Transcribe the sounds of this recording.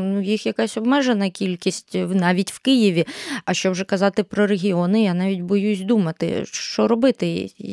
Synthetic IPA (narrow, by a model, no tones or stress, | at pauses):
nujixjɐkɑsʲɔbmɛʒenɐkʲilʲkʲisʲtʲnɑʋʲitʲwkɪjiʋʲiɐʃt͡ʃɔbʒɛkɐzɑt̪ɪpɾɔɾeɦʲiɔnɪjanɑʋʲitʲbɔjusʲd̪umɐt̪ɪ̰ʃt͡ʃɔɾɔbɪt̪ɪ